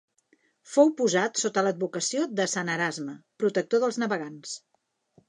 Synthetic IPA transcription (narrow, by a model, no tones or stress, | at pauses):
fowpuzat̪sot̪ələd̪̚βukəsiod̪əsanəɾazməpɾut̪ək̚t̪oðəlˠznəβəɣans